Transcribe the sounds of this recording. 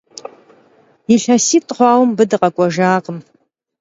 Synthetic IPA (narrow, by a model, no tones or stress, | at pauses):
iɬɐsiːtʼχʷɑːwmbɨdɨqʼɐkʷʼɔʒaːqʼəm